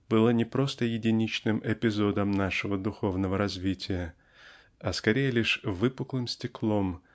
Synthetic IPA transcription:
b̥ɨlˠənʲɪpɾo̞st̪əjɪdʲɪnʲit͡ɕnɨmʔɪpʲɪzo̞d̪əmnaʂɨvəd̪ʊxo̞vnəvəɾɐzʲvʲitʲɪjə | ɐskɐɾʲejɪlʲɪʂvɨpʊklˠɨmsʲtʲɪklˠo̞m

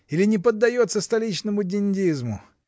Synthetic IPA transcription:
ilʲɪnʲɪpəd̪ːɐjo̞t̪səst̪ɐlʲit͡ɕnəmʊdʲɪnʲdʲizmʊ̰

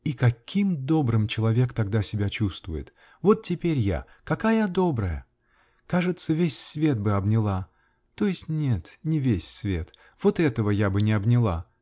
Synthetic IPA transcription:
ikɐkʲʰimd̪o̞bɾɨmt͡ɕɪlˠɐvʲe̞kt̪ɐɡ̚d̪asʲɪbʲat͡ɕust̪vʊjɪ̰t̪ | vo̞t̪tʲːɪpʲeɾʲja̰ | kɐkajəd̪o̞bɾəjə | kaʐɨt̪səvʲesʲsvʲe̞t̪̚bɨɐbnʲɪlˠa | t̪o̞jɪsʲtʲnʲe̞t̪nʲɪvʲesʲsvʲe̞t̪ | v̥o̞t̪ɛt̪əvəjabɨnʲɪɐbnʲɪlˠa

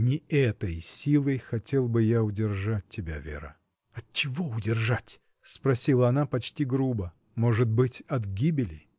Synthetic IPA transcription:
nʲɪɛt̪əjsʲilˠəjxɐtʲe̞lˠbɨjaʊdʲɪrʐat̚ʲtʲːɪbʲa̰vʲḛɾə̰ | ɐt͡ɕɪvoʊdʲɪrʐatʲ | spɾɐsʲilˠəɐnapɐt͡ɕtʲiɡɾubə | mo̞ʐɨt̪̚bɨtʲɐt̪ɡʲibʲɪlʲɪ̰j

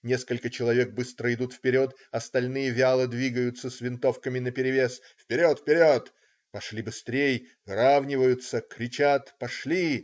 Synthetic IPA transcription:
nʲeskəlʲkət͡ɕɪlˠɐvʲe̞k̚bɨst̪ɾəɪd̪ut̪fpʲɪɾʲo̞t̪ | ɐst̪ɐlʲnɨjəvʲɪalˠəd̪vʲiɡəjʊt̪sːəsʲvʲɪnt̪o̞fkəmʲɪnəpʲɪɾʲɪvʲes | fpʲɪɾʲot̪fpʲɪɾʲo̞t̪ | pɐʂlʲibɨst̪ɾʲej | ravnʲɪvəjʊt̪səkɾʲɪt͡ɕat̪pɐʂlʲi

